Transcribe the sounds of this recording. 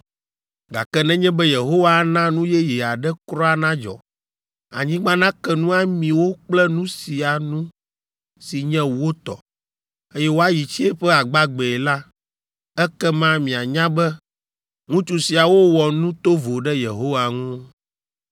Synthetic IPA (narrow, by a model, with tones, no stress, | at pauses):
ɡa̰˨kɛ˦nɛ̃˦ɲɛ̃˦bɛ˦je˨ɦo˦wa˦nã˦nũ˦jɛ˦ji˨a˨ɖɛ˦kɾɔ˦a˨nã˦d͡ʒɔ̰˨ | a̰˨ɲĩ˦ɡ͡bã˦nã˦kɛ˦nũ˦a˦mĩ˨wo˦k͡plɛ˦nũ˦si˨a˨nũ˦ | si˨ɲɛ̃˦wo˦t̪ɔ̰˨ | e˦jɛ˦wo˦a˦ji˨t͡ɕi˦e˦ɸɛ˦a˨ɡ͡ba˦ɡ͡bɛ˨ɛ˨la˦ | ɛ˦kɛ˦mã˦mĩ˨a˨ɲã˦bɛ˦ | ŋũ˦t͡ʃu˨si˨a˨wo˦wɔ˨nũ˦t̪o˦vo˨ɖɛ˦jḛ˨ɦo˦wa˨ŋũ˦